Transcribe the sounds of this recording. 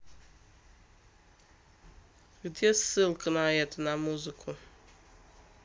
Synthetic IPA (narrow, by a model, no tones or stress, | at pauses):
ɣdɛsɨlkʰʼɨnajatʰʼnamuzɨkʰu